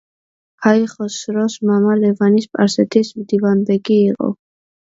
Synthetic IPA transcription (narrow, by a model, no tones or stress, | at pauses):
kʰaiχɔsɾɔsmamalɛvanispʼaɾsɛt̪ʰismd̪ivand̪ɛɡiːqʼɔ̰